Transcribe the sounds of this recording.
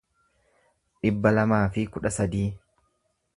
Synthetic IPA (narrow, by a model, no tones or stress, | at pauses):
ᶑɪbːɐlɐmaːfɪkʊᶑɐsɐd̪iː